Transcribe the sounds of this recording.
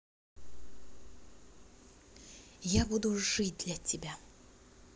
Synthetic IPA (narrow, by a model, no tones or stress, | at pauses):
jabud̪ʊʐɨt̚ʲd̪lʲɐtʲɪbʲa